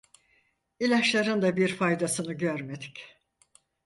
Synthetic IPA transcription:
ilʲaʃlˠaɾɯnd̪abiɾfajd̪asɯnɯɟøɾme̞d̪i̥c

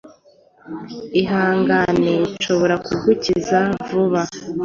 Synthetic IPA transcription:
iɦaːŋɡanet͡ʃo̞βo̞ɾakuɡucizavuβa

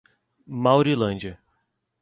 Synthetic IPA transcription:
mawɾilɐ̃nd͡ʒɐ

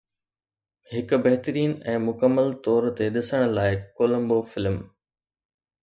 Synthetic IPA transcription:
hɪkbɐɦt̪əɾiːnɛ̃ːmʊkəmːəlt̪ɔːɾt̪eɗɪsəɽ̃̆laːɪkoːlə̃mbofɪlm

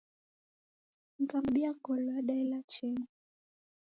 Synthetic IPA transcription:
m̩kamɓiakɔlwaɗailat͡ʃɛna

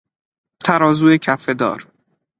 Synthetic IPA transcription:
t̪ʰæɾɒːzuːecʰæfed̪ɒ̰ːɾ

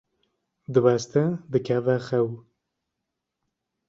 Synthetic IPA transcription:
d̪ɨwɛst̪ɛd̪ɨkʰɛvɛxɛw

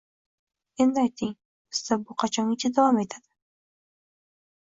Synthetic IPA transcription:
e̞nd̪ɪajt̪ʰɪŋ | bɪz̥sabʊqʰɑt͡ʃʰɒŋɪt͡ʃʰad̪avɒme̞t̪ʰad̪̥ɪ

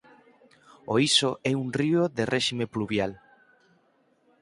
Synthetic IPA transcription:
oisoʔɛunrioðerʔɛʃimepluβjal

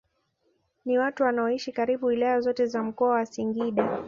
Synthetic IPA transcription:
niwatuwanaɔiʃikaɾiɓuwilajazɔtɛzam̩kɔawasiŋɡiɗa

